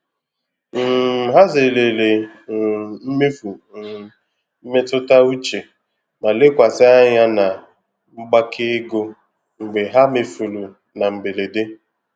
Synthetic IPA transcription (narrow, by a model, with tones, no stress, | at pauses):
m̩˨ɦa˦ze˨le˨le˨ | m̩˦me˦fu˨ | m̩˦me˦tʊ˦ta˦u˦t͡ʃe˨ | ma˨le˦kʷa˨sɪ˦a˦ɲa˦na˨ | ŋ͡m̩˦ɡ͡ba˦kʰɪ˦ɡo˦ | ŋ̩˨ɡ͡be˨ɦa˦me˨fu˨lu˨ | na˨ŋ͡m̩˨ɡ͡be˨le˨de˦